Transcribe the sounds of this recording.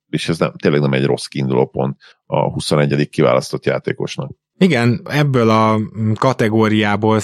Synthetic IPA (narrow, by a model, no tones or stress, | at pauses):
eʃɛznɛ̰mt̪eːlːɛɡnɛmɛɟro̞skiːnd̪uloːpo̞̰nt̪ | ɒ̰husonɛɟːɛd̪ikːiva̰ːlɒst̪o̞t̪ja̰ːt̪ḛːko̞ʃnɒk̚ | iɡɛnɛbːøːlɒkɒt̪ɛɡoːɾijaːboːl